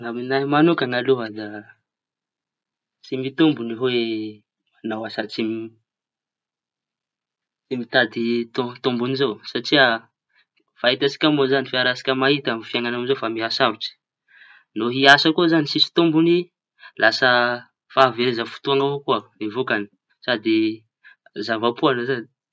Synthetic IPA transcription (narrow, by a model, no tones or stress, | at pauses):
ŋaminaimanukaŋaluɦəd̪a | t͡simit̪umbuniɦowe | manawasat͡simi | t͡simit̪ad̪it̪ut̪umbunizowsaʈ͡ʂia | fait̪asi̥kʲamozanifiaɾasi̥kʲəmaɦit̪amfiaŋanamizofamiɦasavuʈ͡ʂi̥ | noɦiasakuzanisisi̥t̪umbuni | lʔasə | faaveɾezəfu̥t̪uaŋavokuaevokani̥ | sad̪i | zavapuanosad̪i